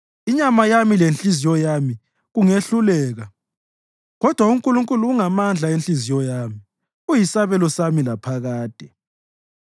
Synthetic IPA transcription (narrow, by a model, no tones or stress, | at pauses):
iɲamajamilent͡ɬʼizijɔjami | ɣuŋeɬulɛːɣa | ɣɔd̥ʱwauŋkʼuluŋkʼuluːŋamand͡ɮʱaent͡ɬʼizijɔjami | ujisaβɛlɔsamilapʰaɣaːd̥ʱɛ